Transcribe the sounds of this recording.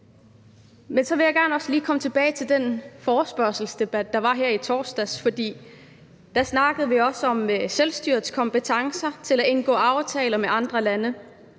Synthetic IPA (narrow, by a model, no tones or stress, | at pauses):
mensɒ̽ʋe̝jɑ̈ɡ̥æɐ̰nɒ̽sliːkʰɒ̽mət͡sʰe̝b̥ɛːɪt͡sʰe̝ld̥enfɒːsb̥ɶɐ̰sl̩sd̥e̝b̥æd̥̚ːɑ̈ʋɑ̈ɦæɐ̰it͡sʰɒːsd̥æsfɒ̽d̥ḭː | d̥æsnɑ̈ɡ̥əð̩ˠʋiɒ̽səɒ̽mselsd̥yɐðˠskʰɒ̽mb̥ət͡sʰɑ̈ŋsɐt͡sʰe̝læe̝nɡ̥ɔ̰̽ːɑ̈ʊt͡sʰɛːlɐmeʔɑ̈nd̥ʁɐlænə